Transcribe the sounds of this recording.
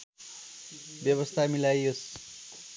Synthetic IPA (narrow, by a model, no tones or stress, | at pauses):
bjʌβʌst̪ʰamilajos